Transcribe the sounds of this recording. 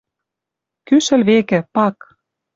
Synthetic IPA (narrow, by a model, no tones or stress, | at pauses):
kyʃɘ̆lβekɘ̆pɑk